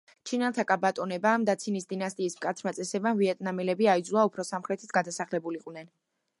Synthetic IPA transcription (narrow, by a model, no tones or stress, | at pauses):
t͡ʃʰinalˠt̪ʰakʼabat̪ʼɔnɛbaːmd̪at̪sʰinisd̪inast̪ʼiːsmkʼat̪ʰɾmat̪sʼɛsɛbaviɛt̪ʼnamɛlɛbiaid̪zulˠaupʰɾɔsamχɾɛt̪ʰi̥t̪ʰɡad̪asaχlɛbuliqʼvnɛn